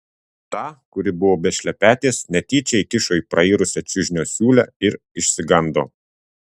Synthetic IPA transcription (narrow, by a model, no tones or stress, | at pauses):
t̪ɑːkʊɾʲɪbʊʋoːbʲɛʃʲlʲɛpʲæːt̪ʲeːsnʲɛt̪ʲiːt͡ʃʲɛɪt̪ʲɪʃoːiːˑpɾɐiːɾʊsʲɛt͡ʃʲʊʒʲnʲoːsʲuːlʲɛɪɾ | ɪʃʲsʲɪɡɐnd̪oː